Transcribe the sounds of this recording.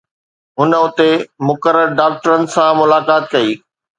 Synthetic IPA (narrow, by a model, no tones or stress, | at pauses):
ɦʊnəʊt̪emʊkəɾəɾɖaːk̚ʈəɾənɪ̆sãmʊlaːkaːt̪kɐiː